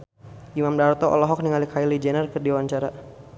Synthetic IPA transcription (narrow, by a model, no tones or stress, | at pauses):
ʔimamdart̪ɔʔɔ̰lɔɦɔk̚niŋalikʰailid͡ʒɛnərkərdiwaɲt͡ʃaɾa